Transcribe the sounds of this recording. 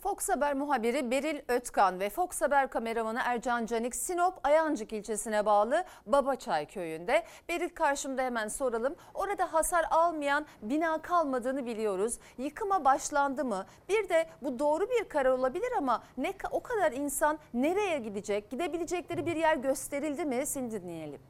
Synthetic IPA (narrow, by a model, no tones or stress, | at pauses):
fo̞ksabæɾmuɦabiɾibe̞ɾilʲøt̪kanvɛfo̞ksabæɾkʰame̞ɾamanɯʔæɾd͡ʒand͡ʒanicsinopʰajand͡ʒɯkilʲt͡ʃʰe̞sinɛbaːlˠɯbabat͡ʃʰajcʰøjynd̪ɛ | b̥e̞ɾilʲkʰaɾʃɯmd̪ahemænso̞ɾalˠɯm | o̞ɾad̪aɦasaɾalˠmɯjanbinaːkʰalˠmad̪ɯːnɯbilʲijo̞ɾuz | jɯkʰɯmabaʃlˠand̪ɯmɯ | b̥iɾd̪ɛbud̪o̞ːɾubiɾkʰaɾaɾo̞lˠabilʲiɾamanɛkʰo̞kʰad̪aɾinsanːe̞ɾe̞jɛɟid̪id͡ʒɛc̚ɟ̥id̪e̞bilʲid͡ʒɛclʲe̞ɾibiɾjæɾɟø̞st̪ʰe̞ɾilʲd̪imɪsinid̪inːijelʲḭm